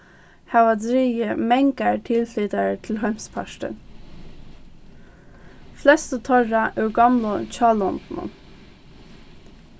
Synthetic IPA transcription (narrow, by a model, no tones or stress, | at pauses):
haʋad̪ɾiːəmɛŋkaɹt̪ʰɪlfiːt̪aɹət̪ʰɪlɦœm̥spʰaʃʈə̰n | flɛst̪ət̪ʰɔɹaʔʊɹɡɑmlʊt͡ʃʰɑːlɔnt̪nʊ̰n